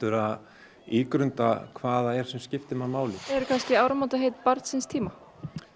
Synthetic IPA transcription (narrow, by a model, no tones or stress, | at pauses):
t̪ʏɾað | iːkɾʏnt̪akʰvaːðaɛɾ̥sɛmscɪft̪ɪmamaːwlɪɛɾkʰanscɪaːwɾamawt̪aɦejt̪paɾt̪sɪnst̪ʰiːma